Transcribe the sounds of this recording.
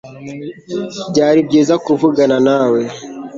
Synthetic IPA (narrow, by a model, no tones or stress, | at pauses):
bɟaːɾib̚ɟeːzakuvuɡananawe